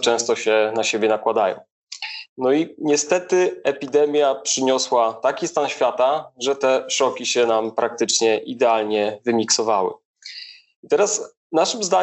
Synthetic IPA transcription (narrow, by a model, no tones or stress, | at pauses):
t͡ʂɛ̃w̃st̪ɔɕɛnaɕebʲjɛnakwad̪ajɔ̰̃w̃ | nɔiɲɛst̪ɛt̪ɘɛpʲid̪ɛmʲjapʂɘɲɔswat̪akʲist̪anɕfʲjat̪aʐɛt̪ɛʂɔkʲiɕɛnampɾak̚t̪ɘt͡ʂɲɛʔid̪ɛalɲɛvɘmʲiksɔvawɘ̰ | it̪ɛɾas | naʂɘmzd̪a